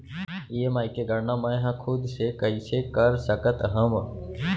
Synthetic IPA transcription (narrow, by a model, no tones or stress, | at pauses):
iemaːikeɡɐɽnamɐjɦãkʰʊd̪sekəisekəɾsəkət̪ɦəm